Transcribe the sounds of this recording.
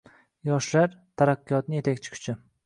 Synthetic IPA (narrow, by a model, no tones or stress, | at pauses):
jɒʃlaɾt̪ʰaɾaqːɨjɒt̪̚nɪje̞t̪ʰakʲt͡ʃʰɪ̥qʰʊ̥t͡ʃʰɪ